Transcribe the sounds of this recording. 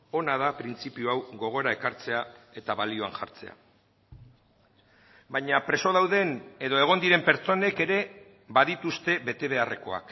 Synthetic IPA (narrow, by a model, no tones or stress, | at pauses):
o̞nað̞apɾint͡sipiuawɣo̞ɣ̞o̞eɾae̞kaɾt͡se̞ae̞t̪aβalio̞anʝa̰ɾt͡se̞̰a̰ | bajɲapɾe̞so̞ð̞awðe̞ne̞ðo̞e̞ɣ̞o̞nd̪iɾe̞mpe̞ɾt͡so̞ne̞ke̞ɾe̞ | baðit̪ust̪e̞βe̞t̪e̞β̞e̞are̞̰ko̞̰a̰k